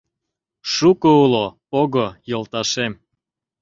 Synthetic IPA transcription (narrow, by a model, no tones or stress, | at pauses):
ʃukoulopoɣojolt̪ɑʃem